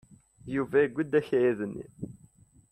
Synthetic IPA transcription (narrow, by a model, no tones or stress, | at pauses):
juvæiɡʷːəd̪æçjiðənːḭ